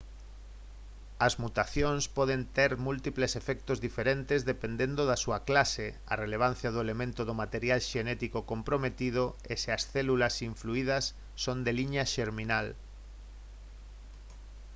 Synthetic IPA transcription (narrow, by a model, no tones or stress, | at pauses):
ɐzmut̪aθjonspɔðent̪eɾmult̪iplesefɛk̚t̪ozðifeɾent̪ezðepend̪end̪oðasuɐklase | ɐ̰releβ̞an̟θjað̞ʊelemẽnt̪ʊðomat̪eɾjalʃenɛt̪ikokompɾomet̪ið̞ʊ | eseɐsθɛlulɐsiɱfluiðɐsː | ond̪eliɲaʃeɾminal